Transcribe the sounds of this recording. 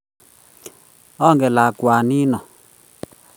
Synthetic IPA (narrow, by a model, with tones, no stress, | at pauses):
ɔ˦˨ŋɡɛ˨la˨kwa˨ni˦nɔ˨